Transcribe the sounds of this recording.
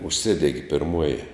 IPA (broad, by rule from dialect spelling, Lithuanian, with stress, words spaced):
ʊʃʲˈsʲɪdʲɛɡʲɪ pʲɪrˈmuɔjɪ